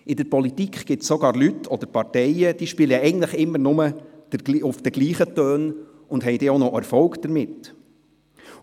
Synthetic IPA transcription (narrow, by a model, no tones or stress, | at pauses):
ʔɪdəɾpɔlit̪ikχɡ̥ɪtssɔɡɑːɾlytːʰɔd̥̪əɾpɑɾtɛɪəd̥iːʃpiːləɛɡn̩tləχɪmːəɾnʊməd̥əʊfd̥̪əɡ̥liːχət̪øːn | ʊnd̥ɦɛɪjd̥̪eːonɔʔæɾfɔlkd̥əɾmɪt̪